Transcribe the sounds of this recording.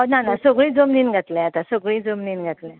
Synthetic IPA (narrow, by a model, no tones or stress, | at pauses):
ɔnanasoɡɭiːd͡zomniːnɡʱat̪lɛ̃at̪asoɡɭiːd͡zomniːnɡʱat̪lẽ